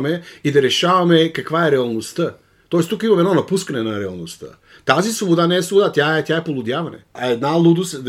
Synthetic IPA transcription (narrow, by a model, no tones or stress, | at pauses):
meid̪aɾeʃaʋamekakvajɛɾɛalˠnost̪a | t̪oest̪ukimamed̪nonapuskanɛnaɾɛalˠnost̪a̰ | t̪azisvobod̪anɛːslobod̪at̪jaet̪jaepolˠud̪jaʋanḛaed̪nalˠud̪us